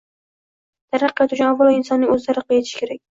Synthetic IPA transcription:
t̪ʰaɾɑqːat̪ʊt͡ʃʰʊnavːɑlˠɑɪnsɒnːɪŋɵzlaɾɪqːɨjet̪ʰɪ̥ʃɪ̥kʰʲe̞ɾak̚ʲ

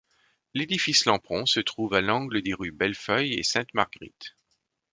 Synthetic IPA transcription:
led̪ifislɑ̃pχɔ̃sət̪χuvalɑ̃ɡləd̪eʁybɛlfœjḛsɛ̃t̪ma̰ʁɡʁḭt̪

